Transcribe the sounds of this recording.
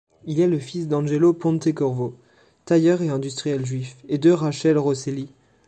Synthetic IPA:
ilɛləfisd̪ɑ̃ʒelopɔ̃t̪ekɔʁvo | t̪ajœʁeɛ̃d̪yst̪χijɛlʒɥifed̪øʁaʃɛlʁɔseli

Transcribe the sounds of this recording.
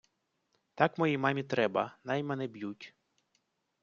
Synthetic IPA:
t̪ɑkmɔjimɑmʲit̪ɾɛbɐnɑjmɛnɛbjutʲ

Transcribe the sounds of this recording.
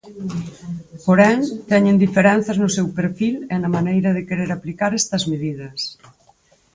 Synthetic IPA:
poɾɛŋt̪ɛɲẽnd̪ifeɾɛn̟θɐznʊsewpeɾfilenɐmanejɾɐðekeɾeɾaplikaɾɛst̪ɐzmeðið̞ɐs

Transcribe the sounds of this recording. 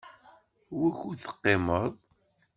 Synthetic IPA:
wiçuθə̥qːeməðˤ

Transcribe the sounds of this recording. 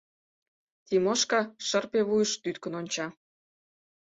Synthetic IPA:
t̪imoʃkɑʃə̆rpeβujəʃt̪yt̪kə̆nonʲt͡ɕɑ

